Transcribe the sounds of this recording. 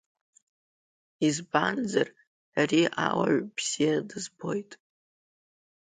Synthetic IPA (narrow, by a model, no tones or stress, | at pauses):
izband͡zar | ariʔawa̰ʕbz̥ijadɨzbo̞jtʼ